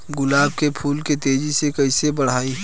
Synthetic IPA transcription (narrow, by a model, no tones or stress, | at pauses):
ɡʊlaːbkepʰuːlket̪eːd͡ʒisekɐisebɐɽ̤aːi